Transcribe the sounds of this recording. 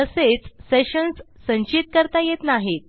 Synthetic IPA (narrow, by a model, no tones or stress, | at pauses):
əset͡sseɕənsːə̃ɲt͡ɕit̪̚kəɾt̪ajet̪naɦet̪̚